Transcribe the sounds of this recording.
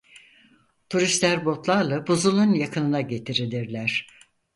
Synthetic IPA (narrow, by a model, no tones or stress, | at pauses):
t̪ʰuɾist̪lʲæɾbo̞t̪lˠaɾlˠabuzulˠunjakʰɯnɯnaɟe̞t̪ʰiɾilʲiɾlʲæɾ̝̥